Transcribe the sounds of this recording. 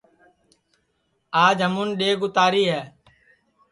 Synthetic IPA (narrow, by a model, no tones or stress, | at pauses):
aːd͡ʒɦəmʊnɗeːɡʊt̪aːɾiːɦɛː